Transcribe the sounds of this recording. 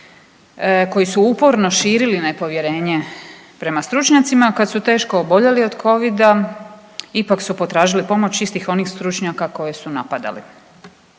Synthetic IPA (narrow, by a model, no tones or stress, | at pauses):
ko̞jisuupo̞ɾno̞ʃiːɾiline̞po̞ʋje̞ɾe̞ːɲe̞ | pɾe̞mast̪ɾut͡ʃɲat̪simakad̪sut̪e̞ːʃkoːbo̞ʎelio̞d̪kʰo̞ʋid̪a | ipaksupo̞t̪ɾaːʒilipo̞mo̞t͡ɕist̪ixo̞nixst̪ɾut͡ʃɲakako̞je̞sunapad̪a̰lḭ